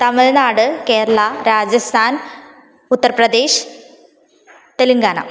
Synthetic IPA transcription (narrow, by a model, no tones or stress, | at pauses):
t̪ɐmɐðenaːɽɨke̞ːɾɐɭɐɾaːd͡ʑɐst̪ʰaːn | ut̪ːɐrɐprɐd̪e̞ːɕ | t̪eluŋɡaːnɐ̰